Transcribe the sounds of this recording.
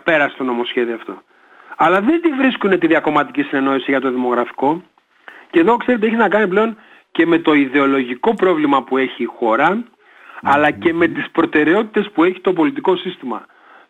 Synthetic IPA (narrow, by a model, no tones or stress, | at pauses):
pe̞ɾɐst̪o̞no̞mo̞sçe̞ðioft̪o̞̰ | ɐlɐðe̞nd̪ivɾiskune̞t̪iðiɐko̞mɐt̪icisine̞no̞isiʝɐt̪o̞ðimo̞ɣɾɐfi̥ko̞ | ceðo̞kse̞ɾet̪ieçiznɐkɐniple̞o̞n | ce̞me̞t̪o̞iðe̞o̞lo̞ʝiko̞pɾo̞vlimɐpue̞çiːxo̞ɾɐː | lɐce̞me̞t̪ispɾo̞t̪e̞ɾe̞o̞t̪i̥t̪e̞spue̞çi̥t̪o̞p̬o̞lit̪iko̞sist̪imɐ̰